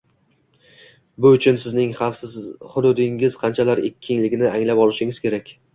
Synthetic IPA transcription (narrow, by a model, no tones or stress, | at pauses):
bʊʊt͡ʃʰʊnsɪznɪŋχɑfshʊd̪ʊd̪ɪŋɪz̥qʰɑnt͡ʃʰalaɾekʲʰːɪnlɪɡʲɪnɪaŋlapɒlˠɪʃɪŋɪz̥kʲʰe̞ɾakʲ